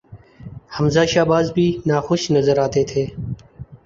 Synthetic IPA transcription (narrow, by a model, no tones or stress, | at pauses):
həmzaːʃaːbaːzbʱiːnaːxʊʃnəzəɾaːt̪eːt̪ʰeː